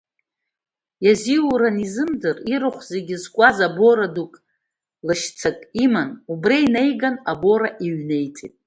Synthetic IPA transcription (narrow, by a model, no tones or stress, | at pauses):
jaziuɾanizɨmzɨriɾɨχʷze̞ɡʲɪzkʷʼazaboɾadukʼ | lɨʃt͡sʰakʼimanubrajnejɡanabo̞ɾaʔiɥne̞jt͡sʼḭtʼ